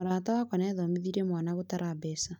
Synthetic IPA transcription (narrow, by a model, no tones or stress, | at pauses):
ɾaːtawakɔnɛðɔmiðiɾemwaːnaɣotaɾʔabɛsa